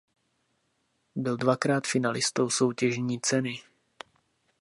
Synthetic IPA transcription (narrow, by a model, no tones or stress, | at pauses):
bɪldvakɾaːt̪fɪnalɪst̪o̞wso̞wcɛʒɲiːt͡sɛnɪ